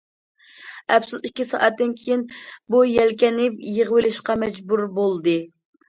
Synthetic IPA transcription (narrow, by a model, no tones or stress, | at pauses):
ɛpsusikʲːisɑ̰ːʔɛt̪ːɪnkʲʰejinbujɛlkʲɛnɪpjəʁəwɪlɪʃqɑmɛd͡ʒbuɾbolˠd̪ɨ